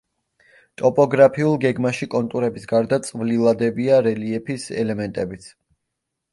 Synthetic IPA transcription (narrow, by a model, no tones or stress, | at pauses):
t̪ʼɔpʼɔɡɾapʰiulˠɡɛɡmaʃikʼɔnt̪ʼuɾɛbisɡaɾd̪at̪sʼvlilˠad̪ɛbiaɾɛliɛpʰisɛ̰lɛmɛnt̪ʼɛbit̪sʰ